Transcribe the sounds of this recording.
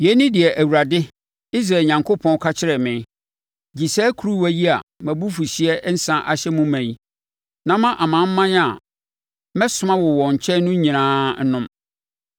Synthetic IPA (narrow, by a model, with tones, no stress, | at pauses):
jɛ˦nĩ˦dɪ˨ɛ˨ʔæ˨wu˨ɾa˨dɪ˦ | i˦s̬ɾaː˨ɲã˨ŋkʰo˦pʰɔ̃˦kʰa˦t͡ɕʰɪ˦ɾɛ˨mɪ̃˨˦ | d͡ʑi˨sɛː˦kʰu˦ɾu˦wæ˨ji˦a̰˨mæ̃˨bu˦fu˨ɕi˦ɛ˦n̩˦sã˦ʔa˨ɕɛ˦mʊ̃˦mæ̃˨i˦ | nã˦mã˦ʔa˨mã˨˦m̩˦mã˦n˦a˨ | mɛ̃˦sʊ˨mã˦wɔ˨wɔ̃˨ɲ̩˨t͡ɕʰɛ˦nʊ̃˦ɲĩ˨nãː˦n̩˦nʊ̃˦m